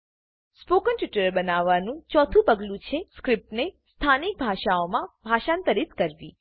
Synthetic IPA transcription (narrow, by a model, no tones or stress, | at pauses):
spokənʈjuʈəɾbənaʋːanũt͡ʃɔt̪ʰũpəɡlũt͡ʃʰeskɾɪp̚ʈnest̪ʰanik̚bʱaʃaomãbʱaʃãnt̪əɾit̪kəɾʋḭ̃